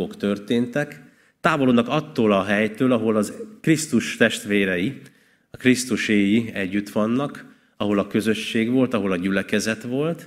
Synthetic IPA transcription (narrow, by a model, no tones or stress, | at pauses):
okt̪ørt̪eːnt̪ɛk | t̪aːvo̞loːdnːɒkɒt̪ːoːlɒɦɛjt̪øːlɒɦo̞lɒzkrist̪uʃt̪ɛʃt̪ʋeːɾɛji | ɒkrist̪uʃeːjiɛɟːyt̪ʋɒnːɒk | ɒɦo̞lɒkø̞zø̞ʃːeːɡʋo̞lt̪ɒɦo̞lɒɟylɛkɛzɛt̪ʋo̞lt̪